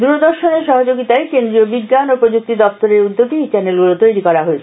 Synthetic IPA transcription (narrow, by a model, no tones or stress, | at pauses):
d̪uɾod̪oɾʃoneɾʃɔɦod͡ʑoɡit̪aekend̪ɾiobiɡːanopɾod͡ʑuk̚t̪id̪ɔpt̪oɾeɾud̪ːoɡ̪it͡ɕɛnelɡulot̪ojɾikɔɾaɦoet͡ɕʰe